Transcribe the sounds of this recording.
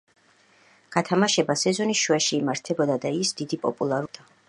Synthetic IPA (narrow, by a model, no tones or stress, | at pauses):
ɡ̥at̪ʰamaʃɛbasɛzɔniʃuɛʃiːmaɾt̪ʰɛbɔd̪ad̪aisd̪̥id̪ipʼɔ̰pʼulˠaɾud̪̥a